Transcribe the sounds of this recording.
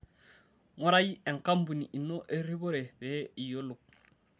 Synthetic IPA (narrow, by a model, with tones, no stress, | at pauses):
ŋo˦ɾa˦ji˦e˨ŋka˦mbu˨ni˨ʔi˨nːo˦ʔe˦ɾi˦bo˦ɾe˨be˦i˨jo˦lu˨k̚